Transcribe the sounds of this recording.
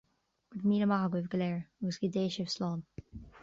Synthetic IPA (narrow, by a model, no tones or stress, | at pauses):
ɡ̥əd̪miːləmahəɡwɪvɡəlɛːɹɔɡəsɡɪd̪eːʃəv̥slɑːn